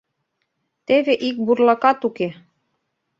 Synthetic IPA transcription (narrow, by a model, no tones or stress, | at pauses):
t̪eβeʔik̚burlɑkɑt̪uke